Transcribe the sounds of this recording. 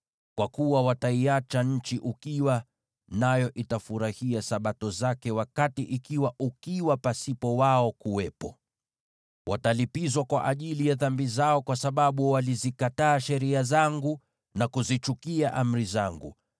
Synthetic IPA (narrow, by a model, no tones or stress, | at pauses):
kwakuwawataiat͡ʃaɲ̩t͡ʃiʔukiwa | najɔʔitafuɾahiasaɓatɔzakɛwakatiʔikiwaʔukiwapasipɔwaɔkuwɛpɔ | wʔa̰talipizwakwaʔaʄilijaðambizaɔkwasaɓaɓuwalizikataːʃɛɾiazaŋɡu | nakuzit͡ʃukiaʔam̩ɾizaŋɡṵ